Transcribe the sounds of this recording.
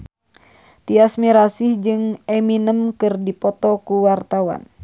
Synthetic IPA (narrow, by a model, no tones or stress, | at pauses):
t̪iasmiɾasihd͡ʒɨŋɛminəmkɨrdipɔt̪ɔkuwart̪awa̰n